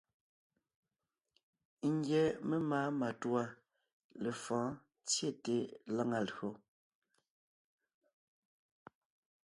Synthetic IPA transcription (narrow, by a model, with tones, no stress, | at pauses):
ŋ̩˦ɡjɛ˨˦me˦maː˨˦ma˨twa˦ | le˨fɔ̃ː˨˦ | t͡sje˦˨te˦la˦ŋa˨lɰo˨˦